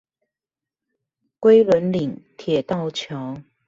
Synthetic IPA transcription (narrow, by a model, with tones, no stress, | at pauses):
kwe˥ɪlə˧˦˥nli˨˩ŋt̪ʰjɛ˨˩t̪ɑ˥˨ʊt͡ɕʰjɑ˧˦ʊ